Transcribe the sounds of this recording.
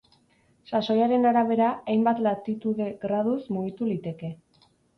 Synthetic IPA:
saso̞jaɾe̞naɾaβ̞e̞ɾaajmbat̪lat̪it̪uðe̞ɣɾað̞usmuɣit̪ulit̪e̞ke̞

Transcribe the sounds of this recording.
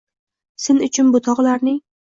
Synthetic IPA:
sɪnʊt͡ʃʰʊnbʊt̪ʰɒʁlaɾnɪŋ

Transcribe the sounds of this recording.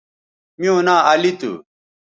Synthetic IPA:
mjõːnaːɐlit̪ṵ

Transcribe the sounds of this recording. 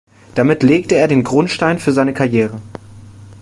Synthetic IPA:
d̥amɪtleːk̚təeːɐdeːnɡʁʊntʃtaɪnfyːɐzaɪnəkʰaɐjeːʁ̞ə

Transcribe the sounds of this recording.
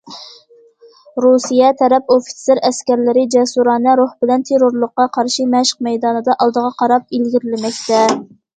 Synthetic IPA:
ɾusijɛt̪ʰɛɾɛpofi̥sɪɾɛskʲæɾlɪɾɪd͡ʒɛsuɾɑːnɛɾoχbɪlɛnt̪ʰeɾoɾlˠəqːɑqʰɑɾʃimɛʃə̥q̚mɛjd̪ɑːnɨd̪ɑʔɑlˠd̪əʁɑqʰɑɾɑp̚ilɡʲiɾɪlɪmɛkʲt̪ʰɛ

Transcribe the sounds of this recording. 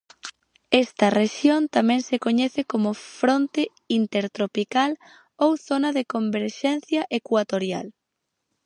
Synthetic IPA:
ɛst̪ɐreʃjont̪amɛ̃ŋsekoɲɛθekomʊfɾont̪e | int̪eɾt̪ɾopikal | owθonɐðekombeɾʃɛn̟θjɐʔekwat̪oɾja̰l

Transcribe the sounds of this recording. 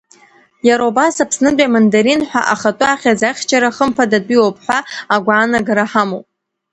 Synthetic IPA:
jaɾawbasapʰsnɨdʷʼamandaɾinħʷᶣa̰ʔaχatʷʼʊaχʲazaχʲt͡ʃʰaɾaχəmpʰadadʷiwopʰʼħʷaaɡʷaːnaɡaɾaħamowpʼ

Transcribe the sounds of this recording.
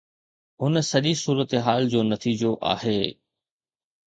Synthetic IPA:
ɦʊnsɐʄisuːɾət̪ɦaːld͡ʑoːnɐt̪ʰiːd͡ʑoʔa̰ːɦeː

